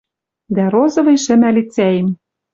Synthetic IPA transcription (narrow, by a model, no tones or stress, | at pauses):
d̪æɾozɤ̆vɤ̆jʃɘ̆mælʲit͡sæjĕm